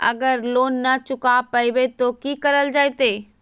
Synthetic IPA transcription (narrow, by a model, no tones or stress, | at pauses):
ɐ̰ɡəɾloːnːɐt͡ʃʊkapɐiʋet̪okikɐɾəld͡ʒaːjt̪eː